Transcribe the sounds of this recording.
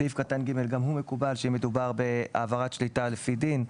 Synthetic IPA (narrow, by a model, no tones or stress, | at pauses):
ivkatanɡime̞lɡamhume̞kubalʃeimed̪ubaʁbe̞a̰ːvaʁatʃlitalefidin